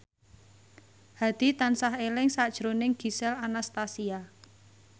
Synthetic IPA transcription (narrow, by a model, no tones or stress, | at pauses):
had̪̥i̤t̪ansaɦelɪŋsad̥ʒ̥ɾonɪŋɡ̥i̤sɛlanast̪asia